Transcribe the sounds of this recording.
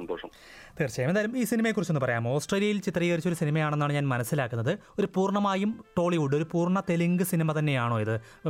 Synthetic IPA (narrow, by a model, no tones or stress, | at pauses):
ɐnd̪oːʂɐm | t̪iːrt͡ɕɐjɐmend̪ajlumiːsinimɐjekːurit͡ɕːonɨpɐrɐjaːmoːsʈreːljɐjilt͡ɕit̪riːɣɐɾit͡ɕːoɾusinimɐjaːɳe̞nːaːɳɨɲaːnmɐnɐsːilaːkːunːɐðɨ | o̞ɾupuːrɳɐmaːjumʈo̞ːɭiuɽɨo̞ɾupuːrɳɐt̪eliŋɡɨsinimɐt̪ɐnːe̞jaːɳo̞ːjiðɨ